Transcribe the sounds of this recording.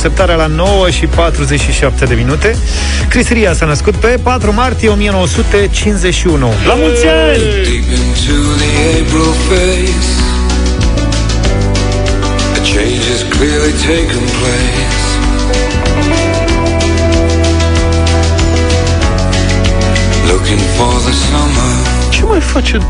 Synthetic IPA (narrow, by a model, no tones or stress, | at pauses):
ep̚t̪aɾealano̞wəʃipat̪ɾuzet͡ʃʃiʃap̚t̪e̞d̪e̞minut̪e̞ | kɾisəɾijasanəskut̪̚pe̞pat̪ɾumart̪ije̞o̞mije̞no̞wəsut̪e̞t͡ʃinze̞ʃiunulamutsa | lipɪ̃ntʰuðieɪbɹəlˠfeɪ | s | ɨt͡ʃʰẽɪ̃nd͡ʒɪz̥kʰl̥ɪɹlitʰeɪkə̃npʰl̥eɪ | s | lʊkɪ̃ŋfɔɹðəsʌmə˞ | t͡ʃemajfat͡ʃe